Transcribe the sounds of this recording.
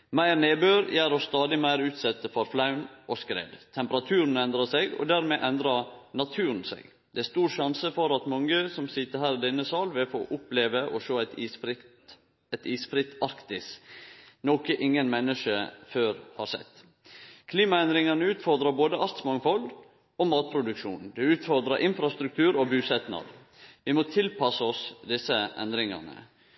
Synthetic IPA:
mæɪɾneːbøːɾjæːɾɔst̪ɑːd̪ɪmæɪɾʉːt̪sɛt̪ːəfɔɾflɑʉnʔɔskɾḛːd̪t̪ʰɛmpəɾɑt̪ʰʉːɾən̩ɛnd̪ɾɑsɛɡɔ̰d̪æɾmeʔɛnd̪ɾɑnɑt̪ʰʉːɾənsḛɡ | d̪ɛæst̪uːɾʂɑnsəfɔɾɑt̪mɑŋəsɔmsɪt̪ːəɾhæːɾɪd̪ɛnəsɑːlʋɪlfoːʔʊpleːʋəʔɔʃoːæt̪isfɾɪt̪ | ɛt̪iːsfɾɪt̪ːɑɾkt̪ɪs | nɔkəʔɪŋːənmɛnːəʂəføːɾhɑ̰ɾsɛ̰t̪ː | kʰliːmɑɛnd̪ɾɪŋɑnəʉːt̪fɔɾd̪ɾɑɾboːd̪əʔɑɾt̪smɑŋfɔl | ɔmɑːt̪̚pʰɾʊd̪ʉkʃṵːnd̪ɛʉːt̪fɔɾd̪ɾɑɾʔɪnfɾɑst̪ɾʉk̚t̪ʰʉːɾɔbʉːsɛt̪nɑ̰ɾ | ʋɪmɔt̪ʰɪlpʰɑsəɔsd̪ɪsːəʔɛ̰nd̪ɾɪŋɑ̰nə̰

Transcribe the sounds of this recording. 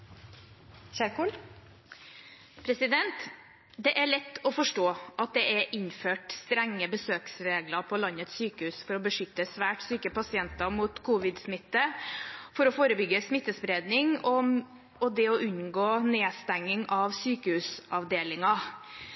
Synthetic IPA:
çæːɾkuːl | pʰɾɛsɪd̪ɛnt̪ | d̪ɛʔæɭɛt̪ːɔfɔʂʈoːʔɑt̪̚d̪ɛʔæɾʔɪnføːʈst̪ɾɛŋːəbəsøːksɾeːɡlɑɾpʰɔlɑnːət̪syːkəhʉːsfɔɾɔbəʂʏt̪ːəsʋæːʈsyːkəpɑsɪɛnt̪ɑmuːt̪kʰuːʋɪd̪smɪt̪ːəfɔɾɔfoːɾəbʏɡːəsmɪt̪ːəspɾeːd̪nɪŋɔ | ɔd̪ɛɔʔʉnɡoːneːst̪æŋːɪŋʔɑʋsyːkəhʉːsɑʋd̪eːlɪŋɑ

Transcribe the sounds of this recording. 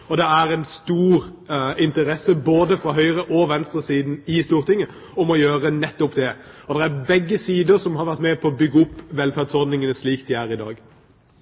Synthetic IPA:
ɔd̪ɛæɾɛnst̪uːɾɪnt̪əɾɛsːəboːd̪əfɾɑɦœʏɾəʔɔʋɛnst̪ɾəsiːd̪nɪst̪uːɾt̪ʰɪŋːə | ɔmɔjøːɾənɛt̪ːʊpd̪ɛ | ɔd̪ɛɾæɾbɛɡːəsiːd̪əɾsɔmɦɑɾʋæɾʁt̪mɛːpʰɔɔbʏɡːəʊpːʋɛlfæːʁd̪sɔɾd̪nɪŋənəsliːkt̪ɪæːɾɪd̪ɑ̰ːɡ

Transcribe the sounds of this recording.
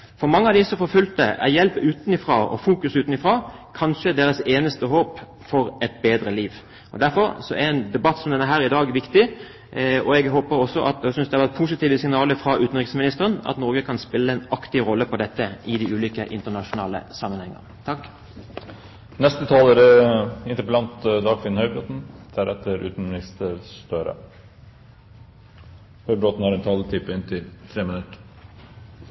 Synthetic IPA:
fɔɾmɑŋːəɑʋd̪ɪsɔfɔɾfʉlt̪əʔæ̰ʁjɛlpʉːt̪nɪfɾɑɔ̰fuːkʉsʉːt̪n̩ɪfɾʁɑːkʰɑnʃəd̪eːɾəseːnəst̪əɦoːp | fɔɾɛt̪beːd̪ɾəliːʋ | ʔɔ̰d̪æɾfɔɾsɔæɛnd̪ɛbɑt̪ːsɔmd̪ɛnæɾɦæːɾɪd̪ɑːɡʋɪkt̪ɪ | ɔɛɡɦoːpəɾɔsːɔʔɑ̰t̪sʏnsd̪ɛhɑʋæʁt̪pʰuːsɪt̪iːʋəsɪŋnɑːləfɾɑʔʉːt̪n̩ʁɪksmɪnɪst̪əʁənɑ̰t̪nɔɾɡəkʰɑnspɪlːəɛnɑkt̪ɪɾɔlːəpʰɔd̪ɛt̪ːəʔɪd̪ɪʉːliːkəʔɪ̰nt̪ənɑʂʊnɑːlə̰sɑmːənhɛŋə̰nt̪ʰɑkː | nɛst̪ət̪ʰɑːləɾəɪnt̪əpəlɑnt̪d̪ɑːɡfɪnhœʏbɾot̪n̩d̪̥æɾɛt̪ːəɾʉ̰ːt̪n̩mɪnɪst̪əɾst̪øːɾə̰ | hœʏbɾot̪n̩hɑɾɛnt̪ʰɑlt̪ʰɪpːəɪnt̪ʰɪlt̪ʰɾeːmɪnʉt̪ə

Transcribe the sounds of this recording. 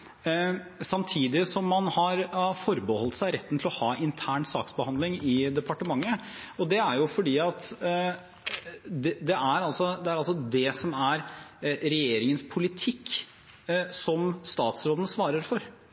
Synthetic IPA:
sɑmt̪ʰiːd̪ɪsɔmːɑnhɑɾfɔɾbəhɔlt̪sæɪɾɛt̪ːənt̪ʰɪlɔhɑːʔɪnt̪ʰæːɳsɑ̰ːksbəhɑnd̪lɪŋɪd̪ɛpɑʈəmɑŋːəɔd̪ɛæɾjʊfɔɖiːɑt̪ | d̪ɛd̪ɛʔæɾɑlsɔd̪ɛæɾɑlsɔd̪ɛsɔmæɾɾɛjeːɾɪŋənspʰʊlɪt̪ʰɪkː | sɔmst̪ɑːt̪sɾoːd̪ənəsʋɑːɾəɾfɔɾ

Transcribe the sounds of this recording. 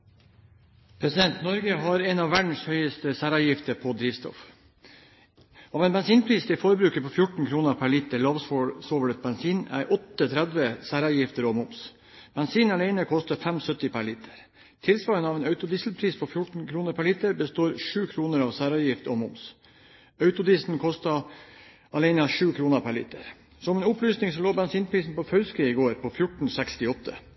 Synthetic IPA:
pʰɾɛsɪd̪ɛnt̪nɔɾɡəɦɑɾeːnɑːʋæɖɳ̩shœʏəst̪əsæːɾɑːjɪft̪əɾpʰɔd̪ɾiːʋst̪ɔ̰f | ɑːʋeːnbɛnsiːnpʰɾiːst̪ʰɪfɔɾəbɾʉːkəpʰɔfjʊʈn̩kʰɾuːnəɾpʰæɭɪt̪əɭɑːʋsfoɭsɔːʋəɽət̪̚bɛnsiːnæ̰ɪɾʔɔt̪ːət̪ʰɾɛd̪ʋəsæːɾɑjɪft̪əɾɔmʊms | b̥ɛnsiːnɑɭæɪnəkʰɔst̪əfɛmsœt̪ɪpʰæɭɪt̪ʰəɾ | t̪ʰɪlsʋɑːɾənɑːʋɛːnœʉt̪ʊd̪isl̩pʰɾiːspʰɔfjʊʈɳ̩kʰɾuːnəɾpʰæɭɪt̪əɾbəst̪oːɾʂʉːkʰɾuːnəɾɑːʋsæːɾɑjɪft̪ɔ̰mʊms | œʉt̪ʊd̪iːsn̩kʰɔst̪ɑ | ʔɑleɪnəɑʂʉːkʰɾuːnəpʰæɭḭt̪ə̰ɾ | sɔmɛnʊplyːsnɪŋsɔloːbɛnsiːnpʰɾiːsn̩pɔfœʏskɾiːɪɡoːɾpʰɔfjʊʈɳ̩sɛkst̪ɪɔt̪ːə̰

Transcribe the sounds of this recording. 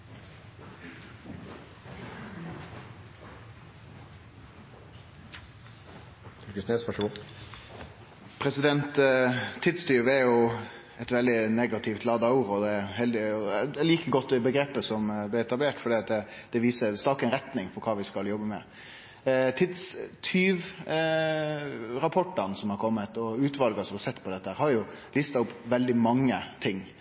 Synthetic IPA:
t̪ɪkəsneːsʋæʂɡʊ | pʰɾɛsɪd̪ɛnt̪ʰː | ɪd̪st̪yːʋəæɾjʊ | ɛt̪ʋɛld̪ɪneːɡɑt̪ʰɪft̪lɑːd̪ɑʊɾɔd̪ɛɾɦɛld̪ɪɛliːkəɡɔt̪ːd̪ɛbəɡɾeːpəsɔmblɪɛt̪ɑbleːʈfɔɖiːɑt̪̚d̪ɛd̪̥ɛʋiːsəɾst̪ɑːkəɛnɾɛt̪nɪŋfɔɾkʰɑːʋɪskɑljɔbːəmɛ | t̪ʰɪd̪st̪ʰyːʋ | ɾɑpʰɔʈːənsɔmhɑɾkʰɔmːət̪ɔʉːt̪ʋɑlɡɑsɔmhɑɾsɛt̪ːpʰɔd̪ɛt̪ːəhæːɾhɑɾjʊ | lɪst̪ɑʊpːʋɛld̪ɪmɑŋːət̪ʰɪŋː

